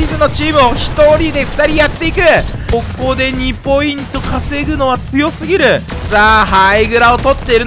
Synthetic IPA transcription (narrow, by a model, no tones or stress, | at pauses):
izɨno̞t͡ɕiːmɯ̟o̞çi̥t̪o̞ɾʲid̪e̞ɸɯ̥t̪aɾʲijat̪ːe̞ikɯ̟ | ko̞kːo̞d̪e̞ɲ̟ipo̞ĩnt̪o̞kase̞ɡɯ̟no̞βat͡sɨjo̞sɨɡʲiɾɯ̟ | sahaiɡɯ̟ɾao̞t̪o̞t̪ːe̞iɾɯ